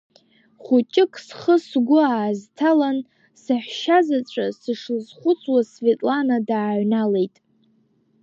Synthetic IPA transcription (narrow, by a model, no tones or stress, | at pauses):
χʊt͡ʃʼɪkʼsχəsɡʷʊaːztʰalan | sɨħʷᶣʃazat͡ɕʷʼasɨʂlzχʷʊt͡sʰʼwasvetʼlanadaːʕʷnale̞jtʼ